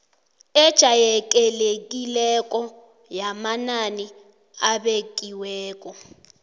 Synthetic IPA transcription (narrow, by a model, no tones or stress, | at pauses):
ɛd̥ʒ̥ʱajɛkʼɛlekʼilɛkʼɔ | jamanani | aβekʼiwɛːkʼɔ